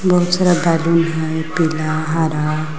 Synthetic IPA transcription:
bəɦut̪səɾabɛlunɦajpilaɦaɾa

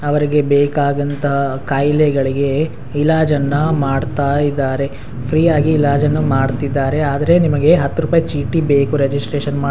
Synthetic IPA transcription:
ɐʋɐɾiɡe̞beːkaːɡɐnt̪ʰɐɦɐkaːjlɛɡɐɭiɡe̞ | ilaːd͡ʒɐnːɐmaːɖt̪aːjid̪ːaːɾe̞ | pʰɾiːaːɡiːlaːd͡ʒɐnːɐmaːɖt̪id̪ːaːɾe̞aːd̪ɐɾe̞nimɐɡe̞ɦɐt̪ːuɾuːpaːjɐt͡ʃiːʈibeːkuɾed͡ʒisʈɾeːʃɐnmaː

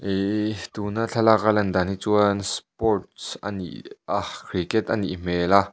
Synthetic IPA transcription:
ʔet̪unat͡ɬʰalak̚alɐnd̪aːnit͡suənspɔrt̚sɐ̰nḭʔakʰɾikɛt̪ʔɐnḭʔm̥ɛla

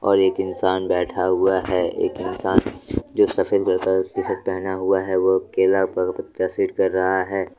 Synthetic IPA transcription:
ɔ̰ːɾeːkɪnsaːnbɛːʈʰaɦʊaɦɛḛːkɪnsaːnd͡ʒoːsɐfəlkɐɾkakɪsək̚pɛɦnaɦʊaɦɛʋokeːlapəpət̪jasiːʈkɐɾːɐɦaɦɛː

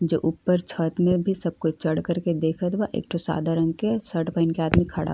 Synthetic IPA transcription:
d͡ʒo̰ːʔʊpːəɾt͡ʃʰət̪mẽbʱisɐb̚kʊt͡ʃt͡ʃɐɽkəɾked̪eːkʰət̪ʋaʔḛːk̚ʈʰosa̰ːd̪ʱaɾɐ̃ŋɡkesəɾʈpãɪnkeaːd̪mikʰaɽa̰ɦ

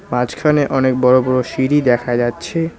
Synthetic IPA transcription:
mad͡ʑkʰaneʔɔnek̚bɔɾobɔɾoʃiɾid̪ɛkʰad͡ʑatːɕʰe

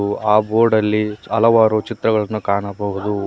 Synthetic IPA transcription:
uaːboːɾɖɐlːiɐlɐʋaːɾot͡ʃit̪ɾɐɡɐɭɐnːukaːɳɐbɐɦud̪u

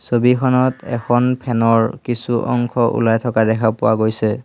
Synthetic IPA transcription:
sobikʰɔnɔtɛ̰kʰɔnpʰɛnɔɹkisuʔɔ̰ŋkʰɔʔṵlajtʰɔkadɛkʰapʊwaɡojsɛ

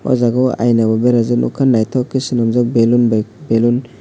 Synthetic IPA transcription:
wa̰zaɡɔwa̰jnababeɾazɯnʔṵkʰanːajtʰɔkːisinamzak̚belunbbelun

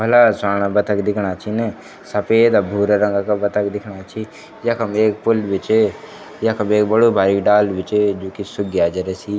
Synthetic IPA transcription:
bʱɐlasaːɽ̃abɐt̪ʰəkd̪ɪkʰɽ̃at͡ʃʰine | sɐpeːd̪abʱuːɾaɾə̃ŋɡakabɐt̪ʰəkd̪ɪkʰɽaːt͡ʃʰi | jɐkʰəmeːkpʊlbɪt͡ʃe | jɐkʰəmeːkbəɽobʱaːɾiɖaːlʋɪt͡ʃed͡ʒoːkisʊɡjaːd͡ʒɐɾɛsi

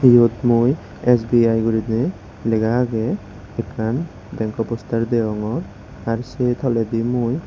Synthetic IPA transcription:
iɦot̪muj | esbiajɡuɾid̪e | leɡaɡɛ | ɛkʰan | d̪ɛŋkɔpɔst̪aɾd̪ɛɔŋɔɾ | aɾset̪ʰɔlɛd̪imoj

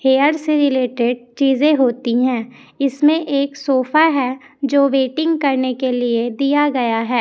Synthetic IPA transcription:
heːəɾseɾɪleːʈeɖ̚t͡ʃiːzẽɦoːt̪iɦɛ̃ː | ɪsmẽʔeːksoːfaɦɛ | d͡ʒoːʋeːʈɪ̃ŋɡkɐɾnekelied̪ijaɡɐjaɦɛː

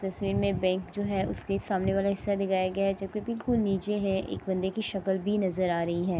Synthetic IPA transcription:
t̪ɐswiːɾmẽbɛ̃ːŋkd͡ʒoːɦɛʊ̰skesaːmneʋaːlaɦɪsːad̪ɪɡaːjaɡɐjaɦɛd͡ʒɐb̚kebɪlkʊlniːt͡ʃeɦɛ̃ʔḛːk̚bɐ̃nd̪ekiʃɐkəlbʱinɐzəɾaːɾɐɦiɦɛː

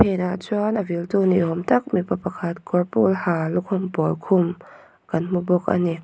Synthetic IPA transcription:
pʰɛnaʔt͡sɔnʔəvilt̪uniʔɦɔmt̪ɐk̚mipapakʰɐt̪̚kʰɔrpṵlhaːlukʰʊmpɔlkʰʊm | kɐnmubɔk̚a̰nik̚

